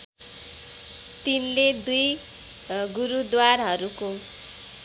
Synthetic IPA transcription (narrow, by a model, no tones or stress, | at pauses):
t̪inled̪uj | ɡuɾud̪waɾɦʌɾuko